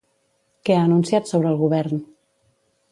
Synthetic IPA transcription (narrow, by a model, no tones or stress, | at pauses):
kɛaːnunsiat̪soβɾəːlˠɣuβɛɾn